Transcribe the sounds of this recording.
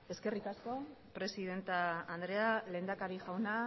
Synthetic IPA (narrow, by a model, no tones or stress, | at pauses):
e̞ske̞rikasko̞pɾe̞siðe̞nt̪aːnd̪ɾe̞ale̞ːnd̪akaɾiʝawna